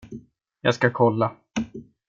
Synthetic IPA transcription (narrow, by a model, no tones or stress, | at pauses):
ja̰ːskakʰɔlːa